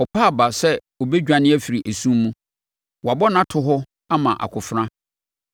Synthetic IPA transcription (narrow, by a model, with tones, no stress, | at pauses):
ɔ˨pʰaː˦˨ba˨sɛ˦ | o˨be˦d͡ʑᶣã˨nɪ̃˦ɛ˦fi˨ɾi˨ʔæ˨sũ˦mmũ˦ | wɔ˨a˨bɔ˦nã˦tʰʊ˨ɦɔ˦ | a˦mã̰˨ʔa̰˨kʰʊ˨fɾã˦